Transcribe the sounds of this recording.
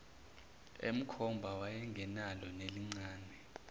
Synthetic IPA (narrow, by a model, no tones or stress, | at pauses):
ḛm̩kʰɔmbʱawajɛŋɡʱɛnalɔneliŋ͡ǀaːnɛ